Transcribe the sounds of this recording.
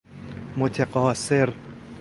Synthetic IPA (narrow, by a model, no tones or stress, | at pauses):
mot̪ʰeqɒːseɾ